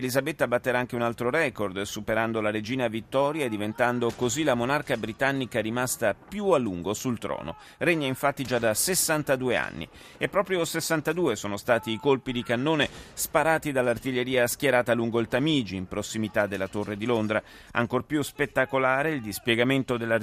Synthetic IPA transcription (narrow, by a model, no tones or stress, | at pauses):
elizabet̪ːabat̪ːeɾaaŋk̟eunalt̪ɾoɾɛkord̪supeɾand̪olaɾed͡ʒiːnavit̪ːɔːɾjad̪ivent̪and̪okozilamonarkabɾit̪anːikaɾimast̪apjualːuŋɡosult̪ɾɔ̰ːno̰ | reɲːaiɱfat̪ːid͡ʒad̪ːasesːant̪ad̪uːea̰nːḭ | epːɾɔːpɾjosesːant̪ad̪uːesoːnost̪aːt̪iːkolpid̪ikanːoːnespaɾaːt̪id̪alːart̪iʎːeɾiːaskjeɾaːt̪aluŋɡoilt̪amiːd͡ʒiːmpɾosːimit̪ad̪ːelːat̪orːed̪ilond̪ɾa | a̰ŋkorpjuspet̪ːakolaːɾeild̪ispjɛɡament̪od̪elːa